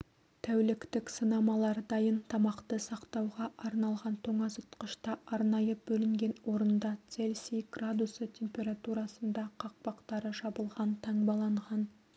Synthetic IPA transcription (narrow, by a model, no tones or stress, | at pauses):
t̪ʰæwlɪkt̪ɪksənɑmɑlˠɑɾd̪ɑjənt̪ʰɑmɑqt̪əsɑqt̪ɑwʁɑʔɑɾnɑlˠʁɑnt̪ʰoɴɑsʊt̪qəʃt̪ɑɑɾnɑjəbɵlɪŋɡʲe̞nwo̞ɾənd̪ɑt̪se̞lsijɡ̥rad̪usət̪ʲʰe̞mpʲe̞ɾat̪uɾɑsənd̪ɑqʰɑq̚pɑqt̪ɑɾəʃɑbəlˠʁɑnt̪ʰɑɴbɑlˠɑɴʁɑn